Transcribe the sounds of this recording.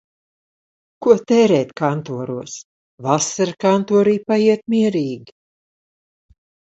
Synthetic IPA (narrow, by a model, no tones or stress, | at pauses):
kuɔt̪ɛːɾɛːt̪kant̪uɔɾuɔs | vasaɾkant̪uɔɾiːpajiɛt̪̚miɛɾiːɡʲi